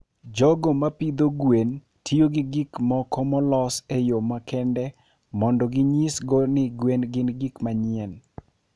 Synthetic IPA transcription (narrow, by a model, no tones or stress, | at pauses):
d͡ʒɔɡɔmapid̪oɡwen | tʰioɡiɡikmɔkɔmɔlɔsejomakɛndɛ | mɔndɔɡɪɲisɡɔnɪɡwenɡɪnɡikmaɲɪɛn